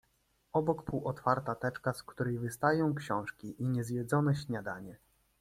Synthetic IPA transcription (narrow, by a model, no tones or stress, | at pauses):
ɔbɔkpuwʔɔt̪faɾt̪at̪ɛt͡ʂkaskt̪uɾɛjvɘst̪ajɔ̃w̃kɕɔ̃w̃ʂkʲiʔiɲɛzʲvʲjɛd̪zɔnɛɕɲad̪a̰ɲɛ